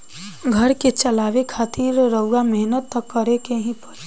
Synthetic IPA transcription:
ɡʱəɾket͡ʃɐlaːʋekʰaːt̪iɾɾəʊɡamɛɦnət̪ːɐkːəɾekeɦĩpɐɾe

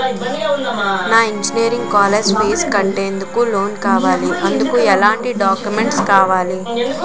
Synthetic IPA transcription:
naːiɲd͡ʒineːɾiŋɡkaːleːd͡ʒpeːskɐɳʈeːnd̪ukulo̞ːnkaːʋaːliʔɐnd̪ukuɛlaːɳʈiɖaːkjumeɳʈskaːʋaːli

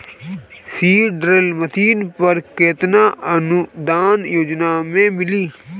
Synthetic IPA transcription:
siːɖɾəlmət̪ʰiːnpəɾkeːt̪naːənud̪aːnjoːd͡ʒnaːmẽːmɪliː

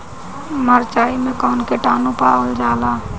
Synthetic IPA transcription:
məɾt͡ʃaːimẽkaːnkeʈaːnũpaːəld͡ʒaːlaː

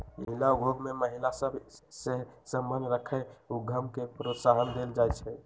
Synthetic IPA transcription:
mə̰ɦilaɡʱoɡmeməɦilasəbsesəmbənɾəkʰɛuɡʱəmkepɾot̪saɦənd̪eld͡ʒajt͡ʃʰɛ

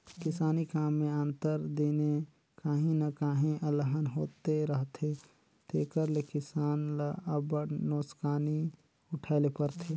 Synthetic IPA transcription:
kɪsaːnikaːmːẽə̃nt̪əɾd̪ine | kaːɦĩnəkaːɦĩʔələɦənɦoːt̪eɾəɦt̪ʰe | t̪ʰeːkəɾlekɪsaːnləbəɾnoːskaːni | ʊʈʰaːɪlepəɾt̪ʰeː

